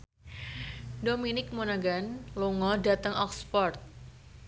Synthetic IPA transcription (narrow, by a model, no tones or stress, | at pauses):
dominɪk̚monaɡanloŋɔdat̪əŋɔkspɔrt̪̚